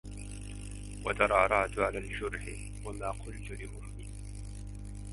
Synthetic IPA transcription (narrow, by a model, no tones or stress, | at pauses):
wad̪ɑɾˤɑːɾˤɑʕt̪ʕalaːld͡ʒʊɾħɪ | wamaːqʊlt̪ʊlɪʔʊmːɪ